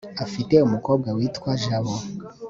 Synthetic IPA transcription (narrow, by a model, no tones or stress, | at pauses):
afiteumukob̚ɡawitwaʒaβo